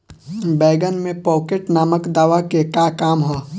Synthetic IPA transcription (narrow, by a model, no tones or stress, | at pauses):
bɛːɡənmẽpɔːkeʈnaːməkd̪aːʋakekaːkaːmɦoː